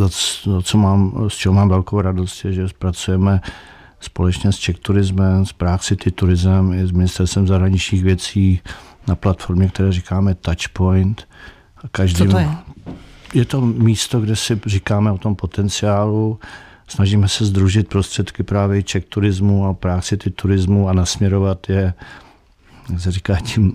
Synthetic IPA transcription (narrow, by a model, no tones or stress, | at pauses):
zazat͡somaːmst͡ʃɛɦomaːmvɛlkowɾado̞st̪jɛʒɛpɾat͡sujɛmɛ | spo̞lɛt͡ʃɲɛst͡ʃɛkt̪uɾɪzmɛmspɾaksɪt̪ɪt̪uɾɪzmɛmjɛzmɪnɪst̪ɛɾst̪vɛmzaɦɾaɲɪt͡ʃɲiːxvjɛt͡siːnaplat̪fo̞ɾmɲɛk̚t̪ɛɾɛːrikaːmɛt̪at͡ʃpo̞jnt̪ | kaʒdiːm | jɛt̪o̞miːst̪o̞ɡdɛsɪrikaːmɛot̪o̞mpo̞t̪ɛnt͡sɪaːlu | snaʒiːmɛsɛzd̪ɾuʒɪt̪̚pɾo̞st̪r̝̥ɛt̪kɪpɾaːvjɛt͡ʃɛk̚t̪uɾɪzmuapɾaːksɪt̪ɪt̪uɾɪzmuanasmɲɛɾo̞vat̪jɛ | jaksɛɾikaːcim